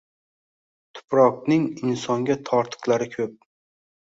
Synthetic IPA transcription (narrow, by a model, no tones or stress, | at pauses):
t̪ʰʊ̥pɾɒqnɪŋɪnsɒŋɡʲat̪ʰɒɾt̪ʰɨ̥qlˠaɾɪkʲʰɵp̚